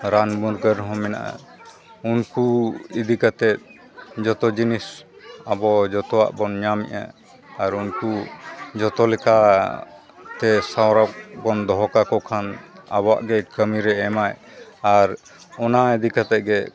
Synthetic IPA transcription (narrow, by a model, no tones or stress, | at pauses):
ɾanbuɾɡəɾɦɔ̃mɛna̰ʔa̰ | unkuid̪ikat̪ɛt̪̚ | d͡ʒɔt̪ɔd͡ʒinisabɔd͡ʒɔt̪ɔwa̰ʔbɔnɲamɛ̰ʔa̰ː | ɾunkud͡ʒɔt̪ɔlɛka | t̪ɛsawɾak̚bɔnd̪ɔɦɔkakɔkʰana̰bɔwa̰ʔɡɛkəmiɾɛɛmaj | aɾ | ɔnaid̪ikat̪ɛt̪̚ɡɛ